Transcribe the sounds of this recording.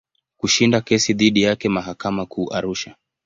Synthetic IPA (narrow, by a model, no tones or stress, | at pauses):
kuʃindakɛsiðiɗijakɛmaɦakamakʰuːʔaɾuʃa